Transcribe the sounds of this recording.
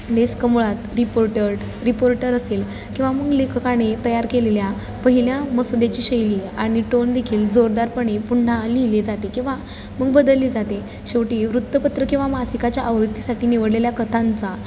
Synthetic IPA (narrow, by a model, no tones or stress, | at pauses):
d̪eskəmuɭat̪ɾipoɾʈəɽ | ɾipoɾʈəɾəsel | kĩw̃ʋaməɡlekʰəkaɽ̃et̪əjaɾkelelja | pəɦiljãməsod̪at͡ɕiːɕəjliːaɽ̃iʈond̪ekʰiːld͡zoɾd̪aɾpəɳ̃epuɳɳaliled͡zat̪ekĩw̃ʋa | məɡ̚bəd̪əlːiːd͡zat̪e | ɕeʋʈiːʋɾut̪ːəpət̪ɾəkĩw̃ʋamasikat͡ɕjaʔəʋɾut̪ːisaʈiːniʋəɽleljakət̪ʰãnt͡sa